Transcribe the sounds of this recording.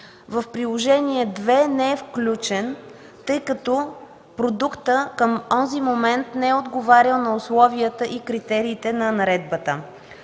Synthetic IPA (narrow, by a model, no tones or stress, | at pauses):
vəfpɾilˠoʒɛniɛd̪vɛnɛɛfklʲut͡ʃɛn | t̪ɤjkɐt̪ɔ | pɾod̪ukt̪əkəmɔzimomɛnt̪nɛɛod̪ɡovaɾʲəlˠnɐʊslˠɔviət̪əʔikɾit̪ɛɾiːt̪ɛnɐnɐɾɛd̪̚bət̪ə